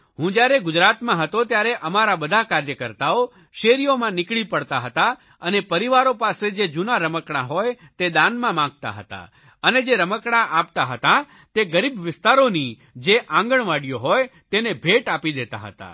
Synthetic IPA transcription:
ɦũd͡ʒjaɾeɡʊd͡ʒɾat̪mãɦət̪ot̪jaɾeʔəmaɾabəd̪ʱakaɾjəkəɾt̪ao | ʃeɾijomãnɪkɭipəɽt̪aɦət̪a | ənepəɾiʋaɾopased͡ʒed͡ʒunaɾəməkɽ̃aɦojt̪ed̪ãnmãmãŋɡ̚t̪a̰ɦə̰t̪a̰ | əned͡ʒeɾəməkɽ̃aʔapt̪aɦət̪a | t̪eɡəɾibʋɪst̪aɾoni | d͡ʒeʔãŋɡəɳʋaɽjoɦojt̪enebʱeʈapid̪et̪a̰ɦə̰t̪a̰

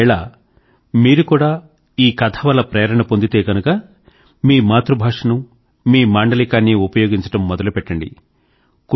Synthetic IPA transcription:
ɭa | miːɾukuːɽaː | iːkɐt̪ʰɐʋɐlɐpɾeːɐɾɐɳɐpond̪it̪e̞ːɡɐnukɐ | miːmaːt̪ɾubʱaːʂɐnu | miːmaːɳɖɐlikaːnːiupɐjoːɡiɲt͡ʃɐʈɐmːɔd̪ɐlupɛʈːɐɳɖḭ | k

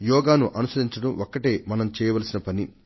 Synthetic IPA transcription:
jɔːɡaːnuʔɐnusɐd̪iɲt͡ʃɐɽɐmʔokːɐʈeːmɐnɐmt͡ʃɛːjɐʋɐːlɐsinɐpɐni

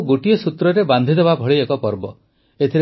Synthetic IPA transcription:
ɡoʈijɔsut̪ɾɔɾeband̪ʱid̪eβabʱɔɭiekɔpɔɾbɔ | et̪ʰiɾe

